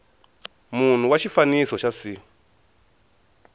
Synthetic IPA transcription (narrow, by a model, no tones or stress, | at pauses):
mun̤uwat͡ʃifanisɔt͡ʃasi